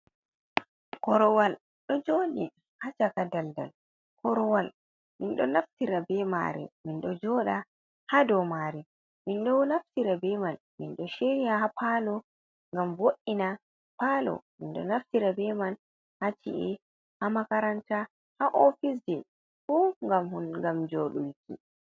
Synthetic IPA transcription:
kɔɾɔwal | ɗɔd͡ʒoɗi | hat͡ʃakadalda̰l | kʰɔɾɔwal | minɗɔnaftiɾabɛma̰ɾɛ̰minɗɔd͡ʒɔɗa | hadɔmaɾi | minɗɔwnaftiɾabɛman | minɗɔʃeijahapalɔ | ŋɡamvoʔːina | palɔ̰minɗɔ̰naftiɾabɛman | hat͡ʃḭʔi | hamakaɾanta | haʔɔfis̬d͡ʒɛ | fuːŋɡamhunŋɡamd͡ʒoɗṵlkḭ

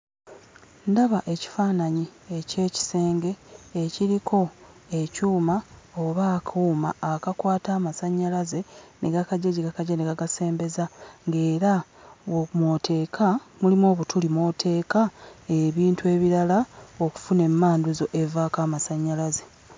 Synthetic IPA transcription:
ndaβaʔe̞ci̥faːnaɲiece̞ːci̥se̞ːŋɡe̞ːciɾikʰo̞ | ecuːmaoβaːkʰuːma̰ːkakwaːtaːmasaɲːalaze̞nʔeɡakaɟaɟiɡakaɟaneɡaɡase̞ːmbe̞zaŋɡe̞ːɾa | womwotʰe̞ːkʰamulimo̞ːβutulimotʰe̞ːkaeβiːntue̞ːβiɾalao̞ku̥fune̞mːaːnduzo̞ʔe̞vaːkaːmasaɲːalaze

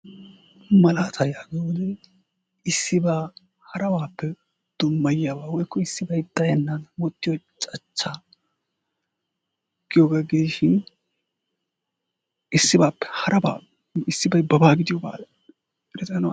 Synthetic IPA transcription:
mɐlaːt̪ʰɐjaːɡ̪ɔwɔd̪ɛ | ɪsːɪbaː | hɐɾɐwaːpːɛ | d̪̥ʊmːɐjjaːbaːwɔjkːɔɪsːɪbɐjd̪ɐjɐnːaːd̪ɐwɔt̪ːɪjɔt͡ʃʼɐt͡ʃːaː | ɡ̥ɪjoːɡaɡɪd̪ɪʃɪn | ʔɪsːɪbaːpːɛ̥hɐɾɐba̰ː | ɪsːɪbɐjbɐbaːɡɪd̪ɪjɔba̰ːl | ɾɛt̪ʼɐn

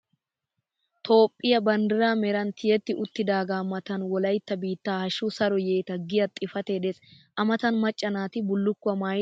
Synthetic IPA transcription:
t̪ʰo̞ːpʼːɪjɐbɐnd̪ɪɾaːmɛɾɐnt̪ʰɪjɛt̪ːɪʔʊt̪ːɪd̪aːɡaːmɐt̪ɐnwɔlɐjt̪ːɐbiːt̪ːaːhɐʃusɐɾɔjeːt̪ɐɡɪjɐt̪ʼːɪfɐt̪eːᶑes | ʔɐmɐt̪ɐnmɐt͡ʃʼːɐnaːt̪ɪbʊlːʊkːʊɐmaːj

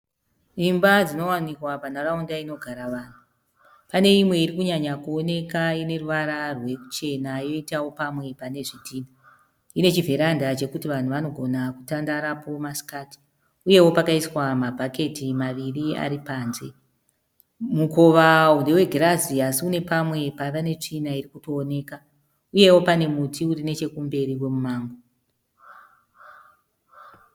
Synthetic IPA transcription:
imbad͡zino̞wanikwapanaraundaino̞ɡʱaɾaʋaːn̤u | pane̞imwe̞iɾikuɲaɲakuo̞ne̞kaine̞ruʋaɾarwe̞ku̥t͡ʃe̞najo̞itawo̞pamwe̞pane̞ʐitʰiːna | ine̞t͡ʃiveɾandat͡ʃe̞kutiʋan̤uʋano̞ɡʱo̞nakutandaɾapo̞masi̥kaːti̥ | uje̞wo̞pakaiswamabʱake̞timaʋiria̰ɾipaːnze̞̰ | mukoʋaune̞we̞ɡʱiraziasiune̞pamwe̞paʋane̞t͡ʂinairikuto̞ːne̞ːka | uje̞wo̞pane̞mutiurine̞t͡ʃe̞kumbe̞ɾiwe̞mumaːŋɡo

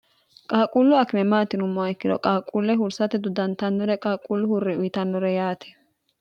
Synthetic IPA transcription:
kʼaːkʼulːʊɐkɪmɛmaːt̪ɪnʊmːɔaɪkːɪd̪ɔ̰kʼaːkʼːulːɛhʊɾsɐt̪ɛd̪ʊd̪ɐnt̪ɐnːɔɾɛkʼaːkʼːulːʊhʊrːɪʊjɪt̪ɐnːɔɾɛjaːt̪ʰɛ̥

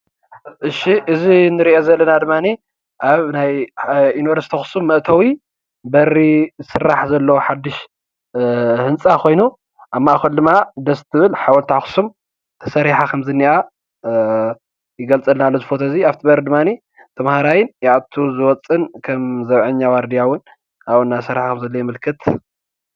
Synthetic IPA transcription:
ʔɨʃiʔɨzinɨɾiʔezɐlːɐnad̪ɨmːani | ʔaβnajinuvɐɾst̪ʰɐxu̥sumːɐʔt̪ʰɐwi | bɐɾizsɨrːaħzɐlːɐwoħad̪ːɨʃ | hɨnt͡sʼakʰo̞jnu | ʔamːaʔxɐld̪ɨmːad̪ɐst̪ʰːɨβɨlħawɔlt̪ʰaxu̥sum | t̪ʰɐ̥sɐɾiħakʰɐmzɨnːiʔa | jɪɡɐlt͡sʼɐlnalːozɨfot̪ʰɐziaβt̪ʰibɐɾid̪ɨmːani | t̪ʰɐmhaɾajɪnjaʔaβt̪ʰuzɨwɔt͡sʼɨnkʰɐmzɐβʕɨɲːawaɾd̪ijawʊn | ʔaβɨnːasɐɾiħakʰɐmzɐlːojɪmɨlkʰɨt̪

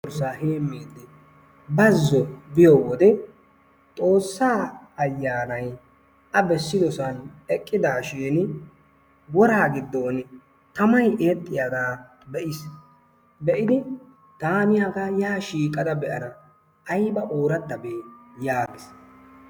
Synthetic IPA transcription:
ɾsaːhe̞ːmːeːd̪ːɛ | bɐzːɔbɪjɔwɔd̪ɛ | t̪ʼo̞ːsːaː | ɐjːaːnɐj | ʔɐbɛsːɪd̪ɔsɐnɛkʼːɪd̪aːʃeːn | wɔɾaːɡɪd̪ːoːn | t̪ɐmɐjʔeːt̪ʼːɪjaːd̪aː | bɛʔɪs | bɛʔɪd̪ɪ | t̪aːmɪjaːɡajaːʃiːkʼːɐd̪ɐbɛʔɐnɐ | ʔːjbɐʔoːɾɐd̪ːɐbeːjaːɡɪs

